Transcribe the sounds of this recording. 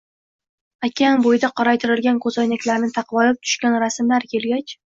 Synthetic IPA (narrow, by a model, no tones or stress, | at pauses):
akʲanbojɪd̪aqʰɒɾajt̪ʰɪɾɪlɡʲankʰɵzɒjnakʲlaɾnɪt̪ʰɑqvɒlɪp̚t̪ʰʊ̥ʃkʲanɾasmlaɾkʲʰe̞lɡʲat͡ʃ